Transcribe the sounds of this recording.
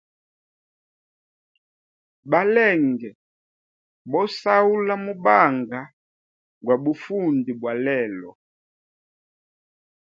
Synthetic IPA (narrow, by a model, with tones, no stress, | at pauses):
ba˨lɛ˦˨ŋɡɛ˨ | bɔ˦sa˦u˦la˦mu˦ba˦˨ŋɡa˨ | ɡwa˨bu˨fu˦ndi˨bwa˨lɛ˦˨lɔ˨